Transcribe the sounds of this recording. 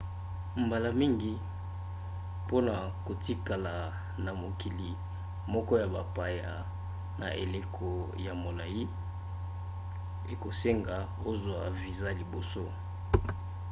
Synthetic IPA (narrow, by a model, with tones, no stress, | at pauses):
mba˨la˨mi˦ŋɡi˨ | po˦na˨ | ko˨ti˦ka˨la˨ | na˨mo˨ki˨li˨ | mɔ˦kɔ˦ja˨ba˨pa˨ja˨ | na̰˨ʔḛ˨le˦kʰo˨ | ja˨mo˨la˨ji˦ | e˨ko˨se˦ŋɡa˨ | o˦zwa˨vi˨za˦li˨bo˨so˦